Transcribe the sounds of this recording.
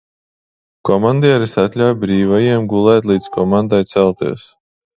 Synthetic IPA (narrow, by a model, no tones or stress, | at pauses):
kɔmand̪ʲɛɛɾisat̪ʲlʲawbɾiːvajiɛmɡulˠɛːt̪lˠiːt̪skɔmand̪ajt̪sɛlˠt̪ḭɛs